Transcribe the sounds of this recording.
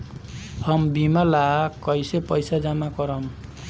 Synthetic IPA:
hʌmbimalakʌjsepʌjsad͡zamakʌɾʌm

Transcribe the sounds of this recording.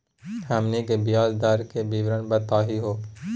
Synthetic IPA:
hɛmnikebɪjaːzd̪aːɾkebiʋɾənbət̪aːɦiɦoː

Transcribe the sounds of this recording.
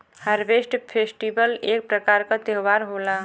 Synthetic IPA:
həɾbesʈpʰesʈibəlek̚pɾəkaɾkət̪eɦʋaɾɦola

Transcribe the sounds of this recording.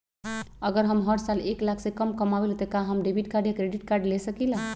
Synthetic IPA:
əɡəɾɦəmɦəɾsaleklakʰsẽkəmkəmabelt̪əkaɦəmɖebʱiʈkaɾɖjakɾeɖiʈkaɾɖlesəkilã

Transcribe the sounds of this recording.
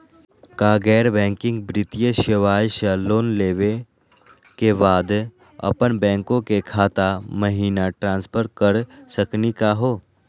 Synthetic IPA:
kaːɡɛːɾbɛ̃ːŋkɪ̃ŋɡ̚bɾɪt̪ijəʃɪʋaːjʃəloːnleːʋe | kebaːd̪ | ɐ̰pənbɛ̃ːŋkõkekʰaːt̪aməɦiːnaʈɾãːnspʰəɾkəɾsəknikaɦoː

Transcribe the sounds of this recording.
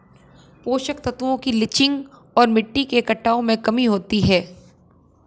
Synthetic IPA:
poːʃək̚t̪ɐt̪uwõkilɪt͡ʃɪ̃ŋɡ | ɔːɾmɪʈːikekɐʈːaːõmẽkɐmiɦoːt̪iɦɛː

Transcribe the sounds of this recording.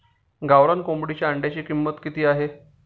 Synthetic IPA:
ɡaʋɾankombɽit͡ɕaaɳɖjat͡ɕiːkimːət̪kit̪iːaɦe

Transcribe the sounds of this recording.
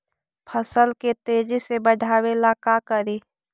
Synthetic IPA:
pʰəsəlket̪eːd͡ʒisebəɖʱaːwelaːkakəɾiː

